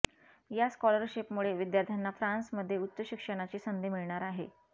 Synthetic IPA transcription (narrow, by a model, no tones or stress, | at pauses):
jaskɔləɾɕipmuɭeʋid̪jaɾt̪ʰjanːafɾansməd̪ʱːjeut̪ːəɕikʂəɽ̃at͡ɕiːsənd̪ʱemiɭɳaɾaɦe